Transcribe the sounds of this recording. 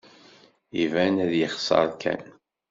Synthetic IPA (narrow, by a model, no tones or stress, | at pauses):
ivænæðjəχsˤə̰ɾˤkʰæ̰n